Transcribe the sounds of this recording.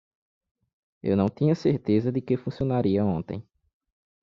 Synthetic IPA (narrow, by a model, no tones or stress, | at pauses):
ḛwnɐ̃w̃t̪ĩɲɐseɾt̪ezɐd̪ɪkefũsiõnaɾiɐõnt̪ḛ̃j̃